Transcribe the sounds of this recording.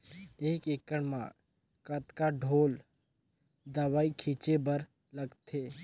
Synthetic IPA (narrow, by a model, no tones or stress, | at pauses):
eːkeːkəɽmã̰ː | kət̪kaɖʱoːl | d̪əʋaːikʰiːt͡ʃebəɾ | ləɡt̪ʰeː